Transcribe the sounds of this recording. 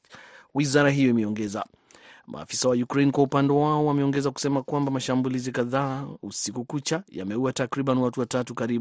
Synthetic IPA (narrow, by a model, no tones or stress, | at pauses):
wizaɾaɦijɔimɛɔŋɡɛza̰ | mʔa̰ːfi̥sawajukɾejnkwaupandɔwaɔwamɛɔŋɡɛzaku̥sɛmakwambamaʃambulizikaðaːusikukut͡ʃaja̰mɛuwatakɾiɓaniwatuwatatukaɾiu